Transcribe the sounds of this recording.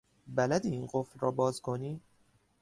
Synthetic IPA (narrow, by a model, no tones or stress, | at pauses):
bælæd̪iːiːnɢoflɾɒ̰ːbɒːzkʰoniː